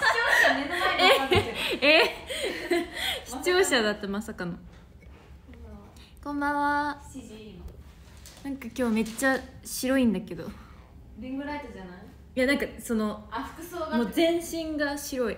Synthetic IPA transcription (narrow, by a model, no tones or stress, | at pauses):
o | e | e | çi̥t͡ɕo̞ːɕad̪at̪ːemasakano | kõ̞mbaβa | nãŋkakʲo̞ːme̞t͡ɕːaɕiɾo̞ĩnd̪ake̞d̪o̞ | biɡɯɾait̪od͡ʑana | janãŋkaso̞no̞̥kɯoːmoːzẽ̞ɰ̃ɕĩŋɡaɕiɾo̞i